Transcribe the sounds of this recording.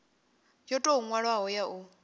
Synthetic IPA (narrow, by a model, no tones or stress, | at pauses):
jɔtʼɔuŋwaɺwaɦɔjaʔu